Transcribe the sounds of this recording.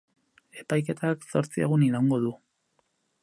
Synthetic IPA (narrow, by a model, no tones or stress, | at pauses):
e̞pajke̞t̪ʰakso̞ɾt͡sieɣ̞uniɾawŋɡo̞ðu